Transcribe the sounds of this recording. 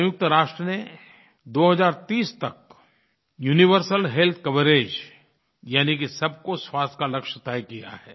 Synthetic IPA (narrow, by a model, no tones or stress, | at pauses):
jʊk̚t̪əɾaːʃʈɾəne | d̪oːɦɐzaːɾt̪iːst̪ɐk̚ | juːniʋəɾsəlɦelt̪̚ʰkɐʋəɾeːd͡ʒ | jaːnikisɐb̚koswaːst̪ʰkalɐkʃət̪aːjkija̰hɛː